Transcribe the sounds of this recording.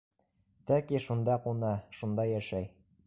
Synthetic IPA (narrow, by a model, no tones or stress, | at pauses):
t̪ɒkiʃund̪ɑqunɑʃund̪ɑjæʃæj